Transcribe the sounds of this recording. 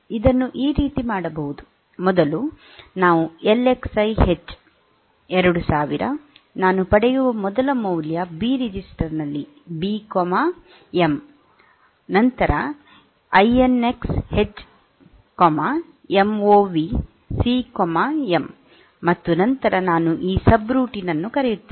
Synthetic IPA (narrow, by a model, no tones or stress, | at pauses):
id̪ɐnːuʔiːɾiːt̪imaːɽɐbɐɦud̪u | mɔd̪ɐlu | naːʋuele̞ksɐjhet͡ʃː | ɛɾɐɽusaːʋiɾɐ̰ | naːnupɐɽɛjuʋɐmɔd̪ɐlɐmɐwljɐbiːɾid͡ʒisʈɐɾnɐlːi | biːkɔma | em | nɐnt̪ɐɾɐ | ɐjene̞kshet͡ʃː | kɔma | emoːʋi | siːkoɔmaemː | ɐt̪ːunɐnt̪ɐɾɐnaːnuʔiːsɐbɾuːʈinɐnːukɐɾejut̪ːi